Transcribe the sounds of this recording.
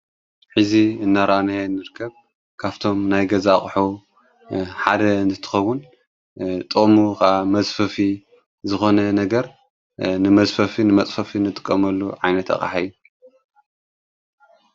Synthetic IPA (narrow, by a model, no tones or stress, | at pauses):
ħɨziɨnːaɾʔanajnːɨɾɨkʰːɐβ | kʰaβt̪ʰo̞mnajɡɐzaχʼħu | ħad̪ɐɨnt̪ʰɨ̥t̪ʰɨ̥xɐwːʊn | t̪ʼɨmukʔamɐzʼfɐfi | zɨxo̞nɐnɐɡɐɾ | nɨmɐzʼfɐfinɨmɐt͡sʼfɐfinɨt̪ʼɨ̥kʼːɐmɐlːuʕajnɐt̪ɐ̰xʼa̰ħajːu